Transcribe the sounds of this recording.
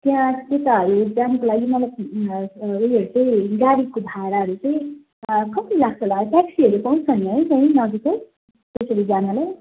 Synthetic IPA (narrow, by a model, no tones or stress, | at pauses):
t̪jãt̪et̪aɦʌɾud͡zanʌkolaɡimʌlaj | oiɦʌɾut͡saĩɡaɾikobʱaɾaɦʌɾut͡saĩ | kʌpilakʰt͡sʌlapɛksiɦʌɾupaw̃t͡sʰʌniɦʌjt͡saĩnʌd͡zet͡sʌj̃ | t̪esɾid͡zanʌlaj